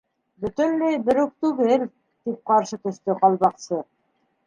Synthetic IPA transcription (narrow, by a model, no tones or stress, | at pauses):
bɵ̆t̪ɵ̆nlɘjbɘ̆ɾʉk̚t̪ʉɣɘl | t̪ip̚qɑɾʃɤt̪ɵ̆ʃt̪ɵqɑlˠβɑqsɤ